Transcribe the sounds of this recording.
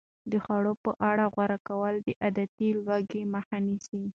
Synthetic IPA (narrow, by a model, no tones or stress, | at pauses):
d̪əxaɽopəʔaɽaɣwaɾakawəld̪əʔad̪at̪ilwaɡeməxanisi